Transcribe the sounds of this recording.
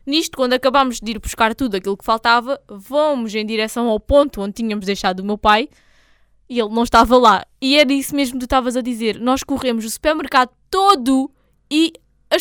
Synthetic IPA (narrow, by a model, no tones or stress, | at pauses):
niʃt̪ukwɐ̃nd̪ɐkɐβamuʒd̪iɾpuʃkaɾt̪uðuɐkilˠukfalˠt̪avɐvomuzɐ̃j̃d̪iɾɛsɐ̃w̃awpõnt̪uõnd̪̚t̪iɲɐmuʒd̪ɐjʃaðumewpaj | ielˠnɐ̃w̃ʃt̪avɐlˠaiɛɾɐisumeʒmuk̪uʃt̪avɐzɐðizeɾnɔʃkuʁemuzusu̥pɛɾmɨɾkaðut̪oðu | i | ɐ